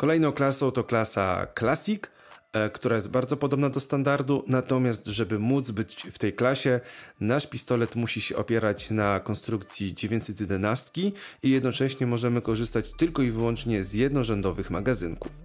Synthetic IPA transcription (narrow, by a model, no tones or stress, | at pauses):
kɔlɛjnɔ̃w̃klasɔ̃wt̪ɔklasa̰klasʲik | kt̪uɾajɛst̪̚baɾd̪zɔpɔd̪ɔbnad̪ɔst̪and̪aɾd̪unat̪ɔmʲjast̪ʐɛbɘmud̪zbɘt͡ɕft̪ɛjklaɕɛnaʂpʲist̪ɔlɛt̪muɕiɕɛʔɔpʲjɛɾat͡ɕnakɔnst̪ɾukt̪sʲjid͡ʑevʲjeɲsɛt̪ʲjɛd̪ɛnast̪kʲiijɛd̪nɔt͡ʂɛɕɲɛmɔʐɛmɘkɔʐɘst̪at͡ɕt̪ɘlkɔivɘwɔnt͡ʂɲɛzjɛd̪nɔʐɛnd̪ɔvɘxmaɡazɘŋkuf